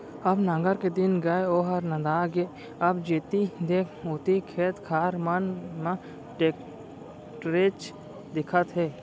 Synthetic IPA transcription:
ɐbnãːŋɡəɾked̪ɪnɡɐeoːɦɐɾnɐd̪aːɡeː | ɐbd͡ʒeːt̪id̪eːkʰoːt̪ikʰeːt̪kʰaːɾmɐnmã | ʈeːk | ʈɾeːt͡ʃ | d̪ɪkʰət̪ɦeː

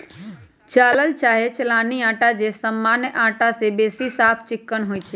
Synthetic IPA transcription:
t͡ʃaːləlt͡ʃaːɦet͡ʃlãːniãːʈad͡ʑesəmːaːnjəʔãːʈasebeːsisaːpʰt͡ʃɪkːəɽ̃ɦoit͡ʃʰe

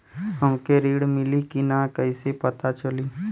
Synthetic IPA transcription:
ɦəmkeɾiːɽmɪlikinakəisepət̪at͡ʃəliː

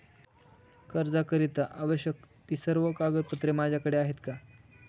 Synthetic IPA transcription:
kəɾd͡zakəɾit̪aʔaʋəɕjəkt̪iːsəɾʋəkaɡət̪̚pət̪ɾemad͡ʑʱjakəɽeaɦet̪ka

